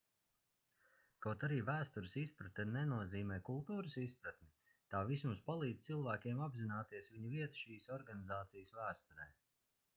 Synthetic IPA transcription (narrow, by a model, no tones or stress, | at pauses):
kawt̪aɾiːvæːst̪uɾɪsispɾat̪ɛnɛnuɔziːmɛːkulˠt̪uːɾɨsispɾat̪mʲi | t̪aːvismuspalˠiːd̪t̪silˠvæːkʲiɛmabzinaːt̪iɛsviɲuviɛt̪ʃiːsɔɾɡanizaːt̪sijəsvæːst̪uɾɛj